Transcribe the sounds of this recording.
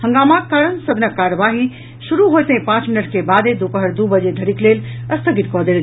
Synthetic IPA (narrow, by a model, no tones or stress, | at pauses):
hə̃ŋɡaːmakkːaːɾəɳsəd̪nəkːaːɾəʋaːɦi | ʃuɾuɦojt̪ɦẽpãːt͡ʃminəʈkebaːd̪ed̪ukəɦəɾd̪ubəd͡ʑed̪ʱəɽikleːlɐst̪ʰəɡit̪kɔːd̪eɾ